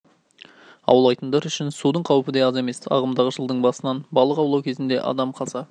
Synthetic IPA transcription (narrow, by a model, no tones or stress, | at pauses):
ɑ̰wəlˠɑjt̪ənd̪ɑɾʏʃɪnsud̪əɴqʰɑwəpəd̪ejɑze̞me̞sɑ̰ʁəmd̪ɑʁəʒəlˠd̪əɴbɑsənɑnbɑlˠəqɑwlˠɑwkʲʰezɪnd̪e̞ʔɑ̰d̪ɑmqʰɑzɑ